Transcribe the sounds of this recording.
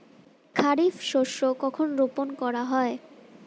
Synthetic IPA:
kʰaɾifʃoʃːokɔkʰonɾoponkɔɾaɦɔe

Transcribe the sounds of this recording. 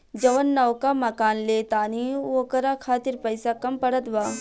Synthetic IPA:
d͡ʒɐʋənːɐʋkamɐkaːnleːt̪aːniokɐɾakʰaːt̪ɪɾpɐjsakɐmpɐɽət̪ʋaː

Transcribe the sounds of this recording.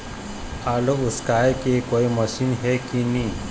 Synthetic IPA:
alouskajkekoiməɕiːnɦekini

